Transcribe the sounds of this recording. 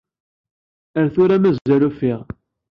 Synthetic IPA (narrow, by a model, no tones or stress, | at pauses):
əɾθʊɾæmæzːælufiʁ